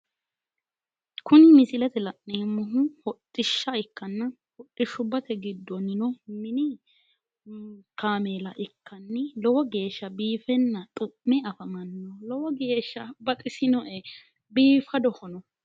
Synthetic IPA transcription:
kʰʊnɪmɪsɪlɛt̪ɛlɐʔneːmʊɦʊhɔtʼːɪʃːɐɪkːɐnːɐ | hɔtʼːɪʃʊbɐt̪ɛɡɪd̪ːɔnɪnɔmɪnɪ | kaːmelɐʔɪkːɐnːɪlɔwɔɡe̞ːʃːɐbiːfɛnːɐt̪ʼʊʔːɛɐfɐmɐnːɔlɔwɔɡeːʃːɐbɐt̪ʼɪsɪnɔʔɛ | biːfɐd̪ɔhɔnɔ

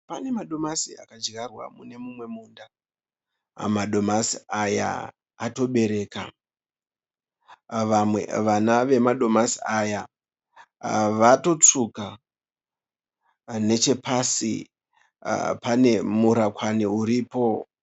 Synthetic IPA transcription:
pane̞maɗo̞masia̰kad͡ʒɡarwa̰mune̞mumwe̞muːnda | maɗo̞masiaja̰ː | to̞ɓe̞ɾe̞ːka̰ | ʋamwe̞̰ʋanaʋe̞maɗo̞masiaja | ʋato̞t͡suka | ne̞t͡ʃe̞pasḭ | pane̞muɾakwaniuɾiːpo̞

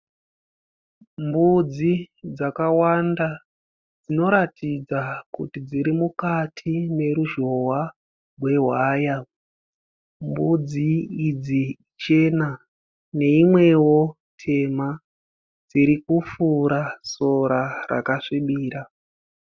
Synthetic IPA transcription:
mbud͡zid͡zakawanda | d͡zino̞ɾatid͡zakṵtid͡ziɾimukatʰine̞ɾuʒo̞wa | rwe̞ɦwaːja | mbud͡ziːd͡zi | t͡ʃe̞na | ne̞imwe̞wo̞ | tʰe̞ma | d͡ziɾikufuɾaso̞ɾara̰kaʂiɓiːɾa

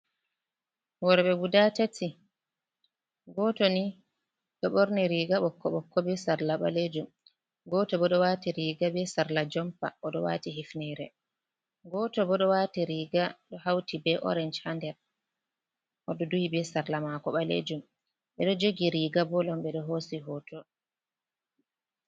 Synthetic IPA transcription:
wɔɾɓɛwudatati | ɡɔtɔni | ɗɔɓɔɾniɾiːɡaɓɔkʰːɔɓɔkːɔbɛsaɾlaɓa̰led͡ʒum | ɡɔtɔbɔɗɔwatiɾiːɡabɛsaɾlad͡ʒɔmpa̰ʔɔɗɔwa̰tiɦifnɛɾɛ̰ | ɡɔtɔbɔɗɔwaːtiɾiːɡaɗɔhawtibɛʔɔ̰ɾɛnd͡ʒhandɛɾ | ʔɔɗɔduhibɛsaɾlamakɔɓalḛd͡ʒum | ɓɛɗɔd͡ʒoɡiɾiɡabɔlɔmɓɛɗɔɦosiɦɔtɔ

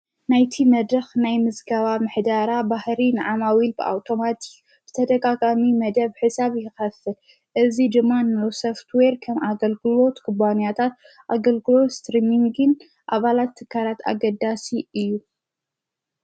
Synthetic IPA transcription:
najt̪ʰimɐd̪ɾɐxnajmɨzɡɐβamɨħd̪aɾabahɾinɨʕamawilbɨʔa̰wt̪ʰo̞mat̪ʰi̥k | b̥ɨt̪ʰɐd̪ɐɡaɡamimɐd̪ɐβħɨsaβjɪxɐfːɨl | ʔɨzid̪ɨmːanowsoft̪weɾkʰɐmaɡɐlɡɨlo̞t̪kʰɨbanjat̪ʰat̪ | ʔaɡɐlɡɨlo̞t̪st̪ɾimiŋɡɨn | ʔaβalat̪ʰːɨkʰːalat̪ʰa̰ɡɐd̪asiʔɨjːu

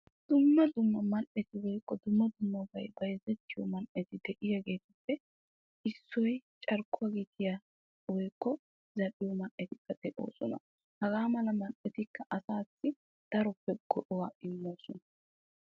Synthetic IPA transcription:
d̪̥ʊmːɐd̪ʊmːɐmɐnʔɛt̪ɪwɔjkːɔd̪ʊmːɐd̪ʊmːɐbɐjbɐjzɛt̪ːɪjɔmɐnʔɛt̪ɪd̪ɛʔɪjɐɡe̞ːt̪ʊpːɛ | ʔɪsːɔjt͡ʃʼɐɾkʊɐɡit̪ʰɪja | wɔjkːɔ | zɐɗɪjɔmɐnʔɛt̪ɪkːɐd̪̥ɛʔo̰ːsɔnɐ̰ | hɐɡaːmɐlɐmɐnʔɛt̪ɪkːɐʔɐsaːsːɪ | d̪̥ɐɾɔpːɛɡ̥ɔʔɔwaːʔɪlːoːsɔnɐ

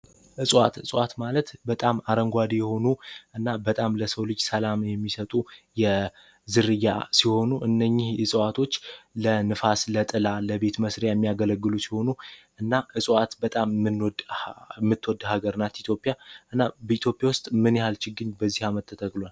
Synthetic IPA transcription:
ʔɨsʼwat̪ɨsʼwat̪malət̪bət̪ʼamaɾəŋɡʷad̪ijɛho̞nuʔɨnːabət̪ʼamləsəwlɨd͡ʒsəlamjɛmːisət̪ʼujɛ | zɨɾɨjːa̰siho̞nuʔɨnːəɲːɪhɨsʼwat̪ʰo̞t͡ʃːlənɨfaslət̪ʼɨlaləbe̞t̪məsɾjajɛmːijaɡələɡːɨlusiho̞nuʔɨnːaʔɨsʼwat̪bət̪ʼamɨnd̪mːɨt̪ːwɔd̪haɡəɾɨnat̪it̪ʰjo̞pʼijaʔɨnːabəit̪jo̞pʼjawʊst̪ʼmɨnjɛhalt͡ʃɪɡɨɲbəzːihamət̪ʰːət̪ʰəkʼlwal

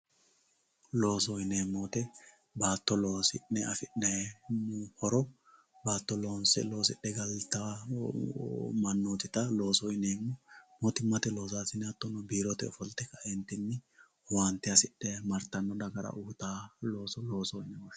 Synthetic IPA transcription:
lo̞ːsɔɪneːmoːt̪ɛ | baːt̪ːɔloːsɪnːɛɐfɪnɛ | hɔɾɔ | baːt̪ːɔlo̞ːnsɛ̰lo̞ːsɪɗːɛɡɐlt̪ɐ | mɐnːoːt̪ɪt̪ɐlo̞ːsɔɪneːmːɔmoːt̪ɪmːɐt̪ɛlo̞ːs̬aːsɪnɛɐt̪ːɔnːɔbiːɾɔt̪ɛɔfɔlt̪ːɛkːɐɛnt̪ːɪnːɪ | want̪ːɪɐsɪɗːɛmɐɾt̪ːɐnːɔd̪ɐɡɐɾɐ̰ʔʊht̪aːlo̞ːsɔlo̞ːsɔnɛɔ

